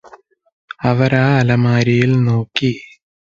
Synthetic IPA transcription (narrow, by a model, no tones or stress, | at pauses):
ɐʋɐɾaːɐlɐmaːɾijilnoːkːi